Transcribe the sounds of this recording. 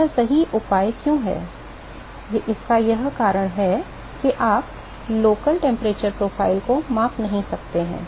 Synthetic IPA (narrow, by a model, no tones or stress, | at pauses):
ɐsɐɦiʔʊpaːjkjõːɦɛ̰ː | jeʔɪskajɐɦkaːɾəɽ̃ɦɛ | kiʔaːp | loːkəlʈɛ̃ːmpɾeːt͡ʃəɾpɾoːfʰaːɪlkomãːfnɐɦĩsɐk̚t̪eɦɛ̰̃ː